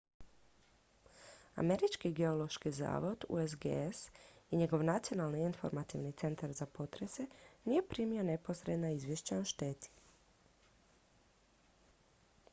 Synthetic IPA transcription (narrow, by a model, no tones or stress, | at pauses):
a̰me̞ɾit͡ʃkiɡe̞o̞lo̞ʃkiza̰ːʋo̞d̪ṵezɡḛsiɲe̞ɡo̞ʋnat̪sio̞naːlniinfo̞ɾmat̪iʋnit̪se̞nt̪aɾzapo̞t̪ɾe̞se̞nije̞pɾimione̞po̞sɾed̪naizʋje̞ʃt͡ɕaoʃt̪eːt̪i̥